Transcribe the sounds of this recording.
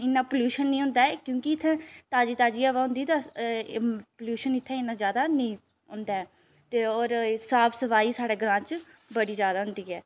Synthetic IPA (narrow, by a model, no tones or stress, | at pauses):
ɪnːãːpoljuːʃənːĩːɦʊ̃nd̪aːɛːkjõːkɪɪt̪ʰːɛ̃ːt̪aːd͡ʒiːt̪aːd͡ʒiːaːʋaːɦʊ̃nd̪iːt̪a | pːljuːʃənɪt̪ʰːɛ̃ːɪnːãːzjaːd̪aːnĩː | ɦʊ̃nd̪aːɛː | t̪eːɔːɾsaːbsəʋaːiːsaːɽeːɡɾãːt͡ʃ | bəɽiːzjaːd̪aːɦʊ̃nd̪iːɛː